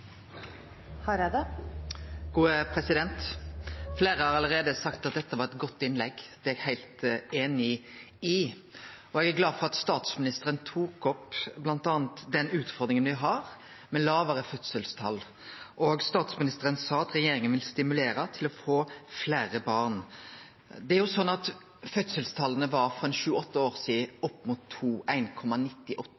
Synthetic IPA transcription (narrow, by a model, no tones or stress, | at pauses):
hɑɾɛd̪ɛ | ɡ̥uːəpʰɾɛsɪd̪ɛnt̪ | fleːɾəhɑɾɑlːəɾeːd̪əsɑkt̪ɑt̪̚d̪ɛt̪ːəʋɑɾɛt̪ɡɔt̪ːɪnlɛɡd̪̥ɛɛɡhæɪlt̪eːnɪ | ɪ | ɔɛɡæɾɡlɑːd̪fɔʁɑt̪st̪ɑːt̪smɪnɪst̪əɾənt̪ʰuːkɔpblɑnt̪ɑːnt̪d̪ɛnʉːt̪fɔɾd̪ɾɪŋənʋɪɦɑʁ | mɛlɑːʋəɾəfœt̪səlst̪ʰɑlː | ʔɔɡst̪ɑːt̪smɪnɪst̪əɾənsɑːɑt̪ɾɛjeːɾɪŋənʋɪlst̪ɪmʉleːɾɑt̪ʰɪlɔfoːflæːɾəbɑʁn | d̪ɛæɾjʊsɔnːɑt̪ | fœt̪səlst̪ʰɑlːənəʋɑɾfɾɔɛnʃʉːəɔt̪ːəoːɾsiːɔpːmʊt̪ʰːuːæɪnkʰɔmːɑnɪt̪ːɪʔɔt̪ː